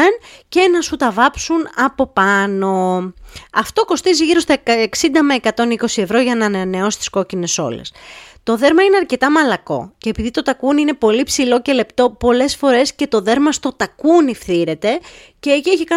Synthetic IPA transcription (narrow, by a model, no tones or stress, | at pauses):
ence̞nɐsut̪ɐvɐpsunɐpo̞pɐno̞ | ɐft̪o̞ko̞st̪iziʝiɾo̞st̪ɐeksind̪ɐmɐekɐt̪o̞niko̞sie̞vɾo̞ʝɐnɐne̞o̞si̥t̪isko̞cine̞so̞̰le̞̰st̪o̞ðe̞ɾmɐineɐɾce̞t̪ɐmɐlɐko̞̰ce̞ːpiðit̪ot̪ɐkuniinepo̞lipsilo̞ce̞le̞pt̪o̞po̞le̞sfo̞ɾe̞sce̞t̪o̞ðe̞ɾmɐst̪ot̪ɐkunifθiɾe̞t̪e̞ | ce̞ːcieçikɐ